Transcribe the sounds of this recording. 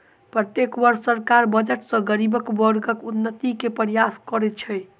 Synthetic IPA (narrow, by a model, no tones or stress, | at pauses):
pɾət̪jekbəɾsːəɾkaɾbəd͡ʒəʈsʌ̃ɡəɾibəkbɔɾɡəkunːət̪ikepəɾijaskɔɾɛt̪t͡ʃʰəj